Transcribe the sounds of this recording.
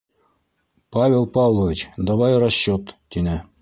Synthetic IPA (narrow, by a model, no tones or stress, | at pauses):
pɑvʲelˠpɑvlˠovʲit͡ɕd̪ɑβɑjɾɑɕːot̪ːinɘ̆